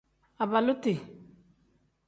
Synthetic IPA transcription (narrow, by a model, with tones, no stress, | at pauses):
a˨ba˨lʊ˦tɪ˨